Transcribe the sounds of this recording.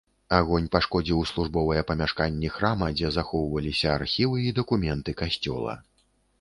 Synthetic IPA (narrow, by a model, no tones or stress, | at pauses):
aɣɔnʲpaʂkɔd͡zʲiwslˠuʐbɔvɐjɛpɐmʲaʂkanʲːixɾamɐd͡zʲɛzaxɔwvɐlʲisʲɐarxʲivɨid̪ɐkumʲɛnt̪ɨkasʲt͡sʲɔ̰lˠɐ̰